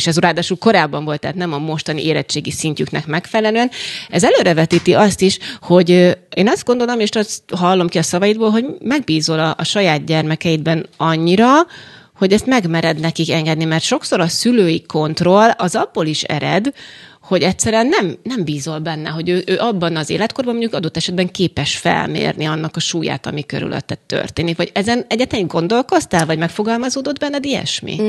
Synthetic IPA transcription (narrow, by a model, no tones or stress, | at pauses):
ʃɛzuɾaːd̪aːʃulko̞ɾaːbːɒɱvo̞lt̪ːɛ̰ːt̪nɛmɒmo̞ʃt̪ɒniʔeːlɛt͡ʃːeːɡisincyknɛkmɛkfɛlɛløːɛnɛzɛløːɾɛvɛt̪iːt̪iʔɒst̪iʃho̞ɟeːnɒzd̪ɡo̞n̪d̪o̞lomeʃt̪ɒsɦɒlːo̞mkiɒsɒvɒjid̪̚boːlɦo̞ɟmɛɡ̚biːzo̞lɒʔːʃɒjaːd̪̚ɟɛrmɛkɛjid̪̚bɛnɒɲːiɾɒ | ho̞ɟɛst̪mɛɡmɛɾɛd̪nɛkikɛŋɡɛd̪nimɛrt̪ʃo̞kso̞ɾɒsyløːjiko̞nt̪ro̞lɒzɒbːoːliʃɛ̰ɾɛ̰d̪ | ho̞ɟɛtʲsɛɾyɛnːɛmnɛmbiːzo̞lbɛnːɛ̰ɦo̞ɟøːʔøːʔɒbːɒnɒzḛːlɛt̪korbɒmoɲɟukɒd̪o̞t̪ːɛʃɛd̪̚bɛŋkeːpɛʃfɛ̰lmḛːrniɒnːɒkɒʃuːja̰ːt̪ɒ̰mikøɾy̰lʔø̰t̪ːɛt̪ːø̰rt̪eːnikvɒɟɛzɛnɛɟːɛt̪ɛɡo̞nd̪o̞lko̞st̪ɛlvɒɟmɛkfo̞ɡɒlmɒzoːd̪od̪bɛnːɛd̪iɛ̰ʃmḭ